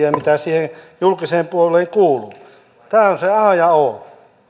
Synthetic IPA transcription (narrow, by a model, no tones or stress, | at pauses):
æmit̪æsiːhenjulkiseːmpuolˑeːŋkuːluː | t̪æːonseɑˑːjɑo